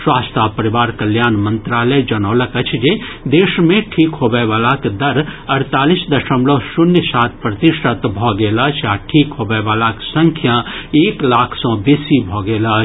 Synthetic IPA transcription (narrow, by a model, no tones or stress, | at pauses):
swaːst̪ʰapəɾiʋaːɾkɐljaːnmənt̪ɾaːləd͡ʒɐnɔːləkɐt͡ʃʰd͡ʒed̪eːʃmẽʈʰiːkɦoːbeʋaːlakd̪ɐɾɐɾt̪aːlisd̪ɐʃəmlosʊnjəsaːt̪ʰpɾɐt̪iʃət̪bʱɔɡeːlaːt͡ʃʰjaːʈʰiːkɦoːbeʋaːlaksə̃ŋkʰjãeːklaːkʰsɔ̃beːsibʱɔːɡeːla